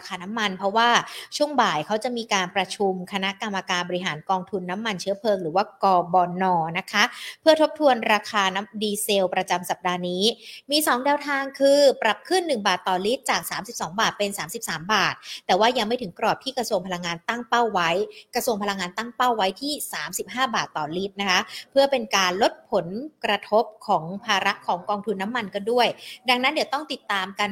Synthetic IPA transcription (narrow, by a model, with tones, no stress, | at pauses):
ɾkʰaː˧na˦˥mːa˧npʰɾɔ˦˥waː˥˩t͡ɕʰu˥˩əŋbaː˨˩jkʰa˦˥wt͡ɕa˨˩miː˧kaː˧npɾa˧t͡ɕʰu˧mkʰa˧na˦˥ʔka˧mːa˧kaː˧nbɔː˧i˦˥ɦaː˩˦nkɔː˧ŋt̪ʰu˧nːa˦˥mːa˧nt͡ɕʰɯ˦˥ɐpʰɤː˧ŋɾɯː˩˦waː˥˩kɔː˧bɔː˧nɔː˧na˦˥kʰa˦˥pʰɯ˥˩ɐt̪ʰo˦˥p̚t̪ʰu˧ənɾaː˧kʰaː˧na˦˥mdiː˧se˧wpɾa˧t͡ɕa˧msa˨˩p̚daː˧niː˦˥miː˧sɔː˩˦ŋdɛː˧wt̪ʰaː˧ŋkʰɯː˧pɾa˨˩p̚kʰɯ˥˩nːɯ˨˩ŋbaː˨˩t̪ːɔː˨˩li˦˥t̪̚t͡ɕaː˨˩k̚saː˩˦msi˨˩p̚sɔː˩˦ŋbaː˨˩t̪̚pe˧nsaː˩˦msi˨˩p̚saː˩˦mbaː˨˩t̪̚ːɛː˨˩waː˥˩ja˧ŋma˥˩jtʰɯ˩˦ŋkɾɔː˨˩p̚t̪ʰiː˥˩kɾa˧su˧əŋpʰla˧ŋːaː˧nt̪a˥˩ŋpa˥˩wːa˦˥jkɾa˧su˧əŋpʰa˧la˧ŋːaː˧nt̪a˥˩ŋpa˥˩wːa˦˥jt̪ʰiː˥˩saː˩˦msi˨˩p̚ɦaː˥˩baː˨˩t̪ːɔː˨˩liː˦˥t̪̚na˦˥kʰa˦˥pʰɯ˥˩ɐpe˧nkaː˧nlo˦˥t̪̚pʰo˨˩˦nkɾa˧t̪ʰo˦˥p̚kʰɔː˩˦ŋpʰaː˧ɾa˦˥ʔkʰɔː˩˦ŋkɔː˧ŋt̪ʰu˧nːa˦˥mːa˧nkɔ˥˩du˥˩əjda˧ŋnːa˦˥ndi˨˩˦wt̪ɔ˥˩ŋt̪i˨˩t̪ːaː˧mka˧n